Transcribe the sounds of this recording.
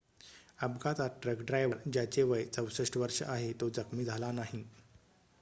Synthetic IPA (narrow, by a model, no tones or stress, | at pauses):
əbɡat̪aʈɾəkɖɾajʋəɾd͡ʑjat͡ɕeʋəjt͡səwsəʂʈəʋəɾʂə̰ʔaɦet̪od͡zəkmiːd͡zʱalanaɦi